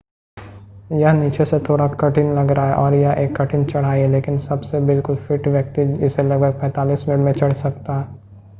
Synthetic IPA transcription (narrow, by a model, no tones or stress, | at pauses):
jɐɦniːt͡ʃeset̪ʰoːɽakɐʈɪnlɐɡɾaaɦɛʔɔːɾjɐɦʔeːkːɐʈʰɪnt͡ʃɐɽ̤aːiɦɛleːkɪnsɐbsebɪlkʊlfɪʈʋjɐk̚t̪iɪselɐɡ̚bʱəɡ̚pɛ̃ːt̪aːliːsmɪnɪʈmẽt͡ʃɐɽ̤sɐkt̪aɦɛː